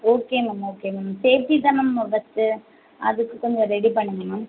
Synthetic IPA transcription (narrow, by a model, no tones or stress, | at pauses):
oːkeːnɐmːɐoːkeːnɐmɐseːɾt̪it̪ãːnɐmɐʋɐt̪ːɯ | ʔɐ̰ðɯkːɯkːɔɲd͡ʒɐɾɛɽipɐɳːɯŋɡɐnɐ̃